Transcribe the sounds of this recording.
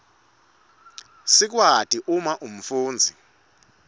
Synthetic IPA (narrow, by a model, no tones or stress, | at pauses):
sik̬watʼiʔumaʔum̩fuːnd͡zʱi